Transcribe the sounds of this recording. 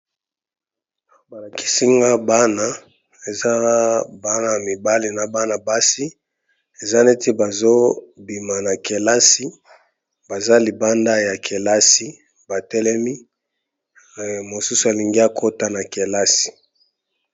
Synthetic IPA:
ba˨la˨ki̥˦si˦ŋɡa˦ba˦na˦ | e˨za˦ba˦na˨mi˨ba˦li˨na˨ba˦na˨ba˦si˦ | e˨za˦ne˦ti˦ba˨zo˦bi˨ma˨na˨ke˨la˦si˦ | ba˨za˦li˨ba˦nda˦ja˨kʰe˨la˦si˦ | ba˨tɛ˦lɛ˦mi˦˨ | mo˨su˦sa˨li˨ŋɡi˦a˨kʰo˦ta˦na˨ke˨la˦si̥˨

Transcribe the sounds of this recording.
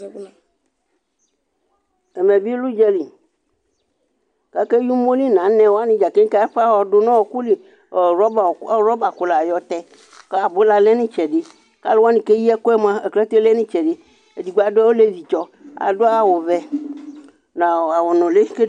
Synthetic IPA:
e˨mɛ̃˨bi˦lu˦d͡ʒɛ˦li˨ | ka˦ke˦ju˦mo˦li˦nã˨nɛ̃˨wo˦a˦nĩ˨d͡ʒa˨ke˦ŋ˦ke˦a˦ɸe˦a˦˨wɔ˨ɖo˨˦nã˦wɔ˨ku˦li˨ | ɾbɾɔ˦ba˨ku˨la˨jɔ˨t̪ɛ˦ | ke˦a˨bo˦la˦le˦nĩ˦t͡ʃɛ˨ɖe˦ | ka̰˦lwa˦nĩ˨ke˦ji˦ɛ˦ko˦ɛ˦mã˦e˨klɛ˦t̪e˦le˦nĩ˦t͡ʃɛ˨ɖe˦ | e˨di˨ɡ͡ba˨dɛ˦wo˦le˦vi˨t͡ʃɔ˦a̰˨do˦a˦wo˨vɛ˦ | nã˨a˨wɔ˨nɔ̃˨le˦ke˦

